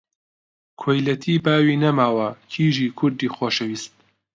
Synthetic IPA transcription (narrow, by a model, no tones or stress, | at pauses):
kʰojlɐt̪ʰiːbaːwiːnɐmaːwɐkʰiːʒiːkʰʊɾd̪iːxoːʃɐwiːst̪̚